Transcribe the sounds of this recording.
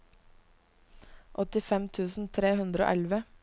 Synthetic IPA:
ʔɔt̪ɪfɛmt̪ʰʉːsn̩t̪ʰɾeːhʉnd̪ɾəo̰ːʔɛlʋə

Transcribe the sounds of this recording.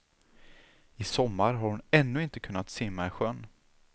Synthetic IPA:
ɪsɔmːaɾɦaɾhʊnɛnːɵɪnt̪əkʰɵnːat̪seːmːaɛɧœnː

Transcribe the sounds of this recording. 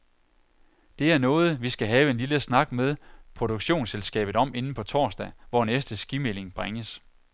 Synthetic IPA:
d̥e̝æɐnɔ̽ːð̞̩ˠʋisɡ̥æɦɛːʊe̝nliləsnɑ̈ɡ̥meðˠpʰʁod̥uɡ̥ɕo̝̰ːnselsɡ̥ɛ̰ːb̥ð̩ˠɒ̽m̰e̝nn̩pʰɒ̽t͡sʰɒ̰ːsd̥ɛʋɒnesd̥əsɡ̥imele̝ŋb̥ʁaŋəs

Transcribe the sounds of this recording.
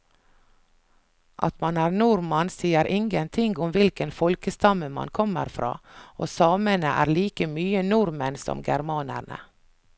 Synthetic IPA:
ʔɑ̰t̪mɑnæːɾnuɾmɑnsiːəɾʔɪŋɡənt̪ʰɪŋɡʊmʋɪlkənfɔlkəst̪ɑməmɑ̰nkʰɔmə̰ɾfɾɑ̰ːʔoːsɑːmənəʔæ̰ːɾliːkəmyːənʊɾmənsɔ̰mɡæɾmɑːnə̰ɳə̰

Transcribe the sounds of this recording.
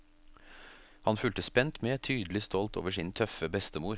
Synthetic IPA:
hɑnfʉlt̪əspɛnt̪meːt̪ʰyːd̪lɪst̪ɔlt̪ʰo̰ːʋəʂiːnt̪ʰœfəbɛst̪əmuːɾ

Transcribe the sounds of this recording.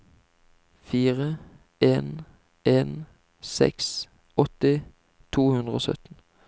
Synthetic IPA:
fiːʁə | eːn | ʔeːn | sɛ̰ks | ɔt̪ɪ | t̪ʰuːhʉnd̪ʁəo̰ːsœ̰t̪n̩

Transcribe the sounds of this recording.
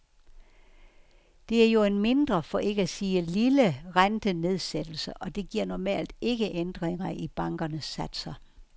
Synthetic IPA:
d̥e̝æɐjo̝enme̝nd̥ʁɐfɒ̽ʔe̝ɡ̥əæsiːəliləʁand̥əne̝ð̞ˠsed̥l̩səʔɒ̽d̥e̝ɡ̥iɐ̰nɒmɛ̰ːld̥e̝ɡ̥əʔend̥ʁeŋɐʔib̥ɑ̈ŋɡ̥ɐnəsːæd̥sɐ

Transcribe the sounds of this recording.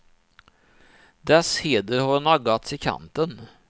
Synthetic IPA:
d̪ɛsheːd̪əɾhaɾnaɡat̪sɪkʰa̰nt̪ən

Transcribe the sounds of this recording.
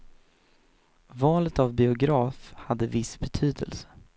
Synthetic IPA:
vɑːlət̪avbɪʊɡɾɑːfhad̪ːəvɪsbɛt̪ʰyːd̪ə̰lsə̥

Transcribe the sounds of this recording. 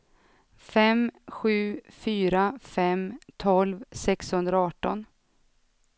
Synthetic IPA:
fɛmɧʉ̟ːfyːɾafɛmt̪ʰɔlvsɛkshɵnd̪ɾaɑːʈɔn

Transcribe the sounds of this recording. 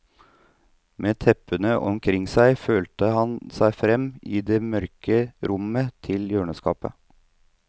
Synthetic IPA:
mʔeːt̪ʰɛpənəʔɔmkʰɾɪŋsæɪføːlt̪əhɑnsæɪfɾɛmiːd̪eːmœɾkəɾʔʊmət̪ʰɪljøːɳəskɑːpə̰

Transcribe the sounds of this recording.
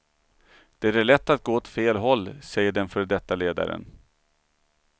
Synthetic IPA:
d̪̥ɛæɾæɭɛt̪ːat̪̚ɡoːɔt̪feːlɦɔlːsɛjːəɖɛnfœɾɖɛt̪ːaleːd̪a̰ɾə̰n

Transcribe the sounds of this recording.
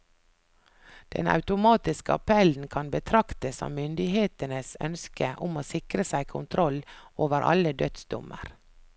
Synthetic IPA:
d̪̥ɛ̰nɑ̰ʉt̪ʊmɑːt̪ɪskəɑpʰɛln̩kʰɑnbət̪ʰɾɑkt̪əsɔ̰mʏnd̪ɪheːt̪ənəsœ̰nskəʔʊmoːsɪkɾəsæɪkʰʊnt̪ʰɾɔlʔoːʋəɾʔɑ̰ləd̪œt̪sd̪ʊ̰mə̰ɾ

